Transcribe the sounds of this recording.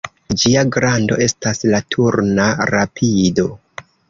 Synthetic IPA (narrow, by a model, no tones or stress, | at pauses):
d͡ʒiaɡɾando̞̰e̞staslatʰuɾnaɾapʰido̞